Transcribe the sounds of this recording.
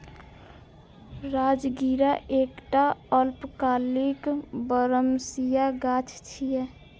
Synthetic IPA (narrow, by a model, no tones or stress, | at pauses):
ɾad͡ʒɡiɾaʔekʈaəlpkalikbəɾəmsijaɡat͡ʃʰt͡ʃʰijɛ